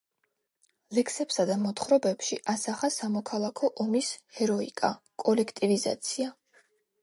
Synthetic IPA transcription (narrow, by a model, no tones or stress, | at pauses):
lɛkʰsɛpsad̪amɔt̪χɾɔbɛpʃiʔasaχasamɔkʰalˠakʰɔʔɔmishɛɾɔḭkʼa | kʼɔlɛkʰt̪ʼiviza̰t̪sʰia